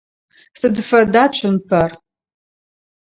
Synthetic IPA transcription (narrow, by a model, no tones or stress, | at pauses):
sɨdɨfɐdaːt͡ʃʷʰʼʊmpʰɐr